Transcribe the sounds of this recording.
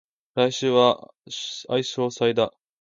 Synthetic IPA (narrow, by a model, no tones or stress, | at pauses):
ɾaiɕɨːβa | aiɕo̞ːsaid̪a